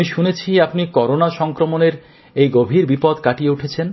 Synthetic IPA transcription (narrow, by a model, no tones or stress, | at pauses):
iʃunet͡ɕʰiapnikɔɾonaʃɔŋkɾomoneɾ | ejɡobʱiɾbipod̪kaʈijeuʈʰet͡ɕʰen